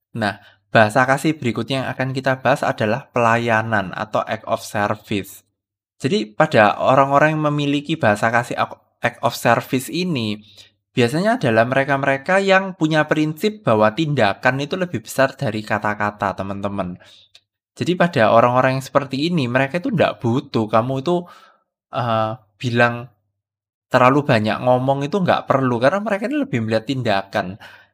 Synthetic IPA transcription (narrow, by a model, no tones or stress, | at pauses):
nah | b̥a̤ɦasakasɪhb̥əɾikʊt̪̚jaŋa̰kankit̪ab̥a̤ɦasa̰d̥a̤lahpəlajanana̰t̪awʔɛ̰k̚ɔ̰fsərfɪs | d͡ʒʒ̥a̤dipad̥aʔo̰ɾaŋoɾaŋməmilikib̥aɦasakasɪh | ɛk̚ɔfsərfɪsini | b̥iasaɲaːd̥a̤lahməɾekaməɾekajaŋpuɲapɾinsɪp̚b̥a̤wat̪indakanit̪uləb̥ɪhb̥ə̥sard̥a̤ɾikat̪akat̪at̪əmənt̪əmən | d͡ʒ̥adipad̥aoɾaŋoɾaŋjaŋsə̥pərt̪iːniməɾekait̪unda̰ʔb̥ut̪ukamuit̪u | ʔə | b̥i̤laŋ | t̪ərlalub̥a̤ɲa̰ʔŋɔmɔŋit̪uŋɡa̰ʔpərlukarənaməɾekainiləb̥ɪhməliɦat̪ːindakan